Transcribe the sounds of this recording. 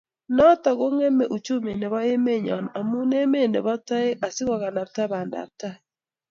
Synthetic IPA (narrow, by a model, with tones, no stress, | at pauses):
nɔ˦ta˨ɣo˦ŋɛ˦mɛ˨ʔu˨t͡ʃo˦me˨ne˨βɔ˦e˦me˦˨ɲɔ̰˨na˨a˨mu˦ne˦me˦˨nḛ˨βɔ˦ta˦e˦a˨si˦ɣa˨ɣa˨na˨ta˦βa˨nda̰˨ta˦